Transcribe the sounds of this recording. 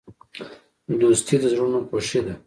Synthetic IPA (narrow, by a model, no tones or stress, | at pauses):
d̪ost̪ʰid̪əzɾunopoʃed̪a